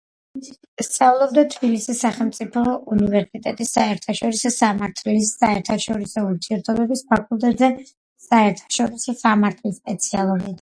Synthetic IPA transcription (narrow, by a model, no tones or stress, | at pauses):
st̪sʼavlˠɔbd̪at̪ʰbilisisːaχɛlˠmt̪sʼipʰɔunivɛɾsit̪ʼɛt̪ʼisaɛɾt̪ʰaʃɔɾisɔsamaɾt̪ʰlisaɛɾt̪ʰaʃɔɾisɔuɾt̪ʰiɛɾt̪ʰɔbɛbispʰakʼulˠt̪ʼɛt̪zɛ | saɛɾt̪ʰḁʃɔɾisɔsamaɾt̪ʰlispʼɛt̪sʰialˠɔmid̪